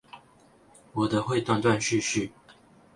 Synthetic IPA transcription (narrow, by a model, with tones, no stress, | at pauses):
wɔ˨˩d̪ə˦xwe˥˧ɪt̪wa˥˧nt̪wa˥˧nɕy˥˧ɕy˥˨